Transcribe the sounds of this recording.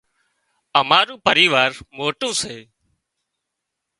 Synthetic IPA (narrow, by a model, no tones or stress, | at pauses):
əmaːɾũːpəɾiːʋaːɾmoːʈũːseː